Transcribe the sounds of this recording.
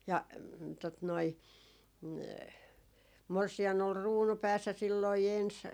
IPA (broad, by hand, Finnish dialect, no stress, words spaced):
jɑ tot noi morsiɑn ol ruːnu pæːsːæ silːoi ens